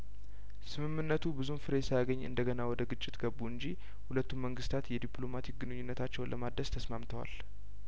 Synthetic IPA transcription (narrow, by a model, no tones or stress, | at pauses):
sɨmɨmːɨnːət̪ʰubɨzunfɨɾe̞sajaɡəɲːɨ̰nd̪əɡənawɔd̪əɡɨt͡ʃʼːɪt̪ɡəbːuɨnd͡ʒi | hulət̪ːumːəŋɡɨst̪ʰat̪jɛd̪iplo̞mat̪ʰik̚ɡɨnɨɲːunːət̪ʰat͡ʃːɛwnlʔəmad̪əst̪ʰəsmamt̪ʰəwa̰l